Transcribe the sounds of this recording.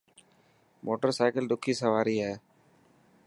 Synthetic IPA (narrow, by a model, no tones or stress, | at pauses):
mʔoːʈːɐɾsaɪkɐlɖ̪ʊkːisɐʋaːɾɪjɐ